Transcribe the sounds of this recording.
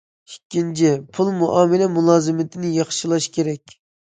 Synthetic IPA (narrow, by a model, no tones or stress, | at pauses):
i̥kʲːint͡ʃʰipʰulˠmuʔɑːmɪlɛmulˠɑːzɨmɪt̪ʰɪnɪjɑχʃilˠɑʃkʲʰeɾɛkʲ